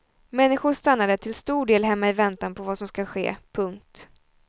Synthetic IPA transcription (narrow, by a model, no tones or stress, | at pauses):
mɛnːɪɧʊɾʂt̪anːad̪ət̪ʰɪlst̪uːɖeːlɦɛmːaɪvɛnt̪anpʰɔvasɔmskaɧḛːpʰɵŋk̚t̪